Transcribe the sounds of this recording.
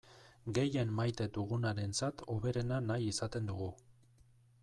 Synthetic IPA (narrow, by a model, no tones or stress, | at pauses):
ɡe̞je̞nmajt̪e̞t̪uɣ̞unaɾe̞nt͡sat̪o̞βe̞ɾe̞nanajisat̪e̞nd̪uɣ̞u